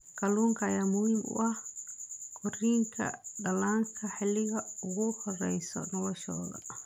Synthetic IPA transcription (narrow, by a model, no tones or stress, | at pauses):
kɐluːŋkʰɐːjaːmʊhiːmʔʊ̰ʔɐh | kʰɔriːŋkʰɐ̰ɗɐlaːŋkʰɐħɪlɪɣɐʊɣʊhɔrɛ̰jsɔ̰nɐlɔʃɔ̰ːlɐ̰